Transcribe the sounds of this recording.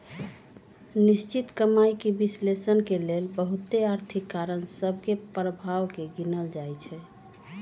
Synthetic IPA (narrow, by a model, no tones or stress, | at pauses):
nist͡ʃit̪kəmajkebislesənkelelbəɦut̪eaɾt̪ʰikːaɾənsəbʱkepɾəbʱawkeɡinəld͡ʒajt͡ʃʰɛ